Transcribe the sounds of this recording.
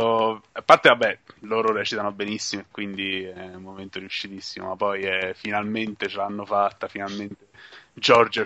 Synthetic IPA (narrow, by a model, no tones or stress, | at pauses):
apːart̪evabɛloːɾoɾɛt͡ʃit̪anobenisːimoekːwind̪iɛumːoment̪oɾjuʃːit̪isːimo̰mapːɔjɛfinalment̪et͡ʃelanːofat̪ːafinalment̪ed͡ʒɔrd͡ʒ